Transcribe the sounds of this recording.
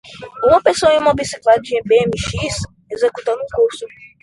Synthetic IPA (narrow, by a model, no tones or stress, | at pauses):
ũmɐ̃pesoɐ̃ĩũmɐbisi̥klad͡ʒiẽbẽmiʃis | ezekut̪ɐ̃nd̪ũkoɾsu